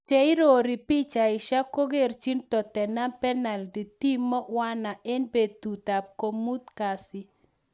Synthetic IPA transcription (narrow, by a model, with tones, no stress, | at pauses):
t͡ʃɛ˦ɪ˦ɾo˨ɾi˨pi˦t͡ʃa˨ɪ˨ʃa˦ko˦ɡe˦˨ɾt͡ʃi˦ntɔ˨tɛ˨na˦pɛ˦na˨ldi˨ti˦mɔ˦wa˦na˨ɛ˦nbe˨dt̪u˨t̪a˨p̚ko˨mu˦t̪ka˨sɪ˦